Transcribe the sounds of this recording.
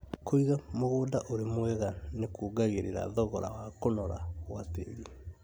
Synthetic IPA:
kʰoiɣamoɣoːdaʔoɾemwɛɣanekoːɡaɣeɾeɾa̰ðɔɣɔɾa̰wakonɔɾa̰ɣwatḛɾi

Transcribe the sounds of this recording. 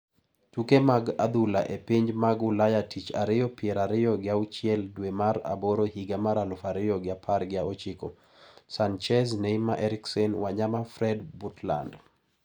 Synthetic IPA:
tukemaɡa̰d̪ulaʔepiɲd͡ʒmaɡʊlajatʰit͡ʃa̰ɾɪjɔpɪɛɾaɾɪjɔɡɪaut͡ʃɪɛldwemaɾa̰boɾɔhiɡamaɾalʊfaɾɪjɔɡɪapʰaɾɡɪaɔt͡ʃɪkɔ | sant͡ʃɛznejmaʔɛɾiksɛnwaɲamafɾɛdbutla̰nd

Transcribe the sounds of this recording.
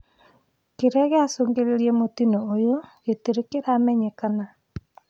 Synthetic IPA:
keɾɛɣeasoːŋɡeɾeɾiɛmotinoojoɣeteɾekeɾaːmɛɲekana

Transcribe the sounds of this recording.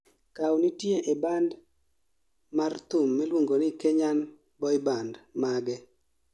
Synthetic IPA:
kawnitjeʔeband | mart̪ʊmːilwoŋɡonɪkeɲan | bɔɪbandmaɡɛ

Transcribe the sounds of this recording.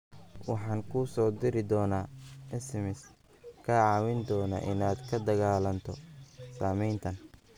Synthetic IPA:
wɑħɑːŋkʰʊsɔːd̪ɪɾɪd̪ɔːnaːɛsɛmɪs | kʰaːʕɑːwɪnd̪ɔːna̰ʔɪ̰naːd̪kʰɐd̪ɐɣaːlɐnt̪ʰɔsaːmɛjnt̪ʰɐn

